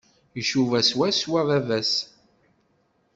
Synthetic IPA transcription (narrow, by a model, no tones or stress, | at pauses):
jəʃuvæswæswæðævæs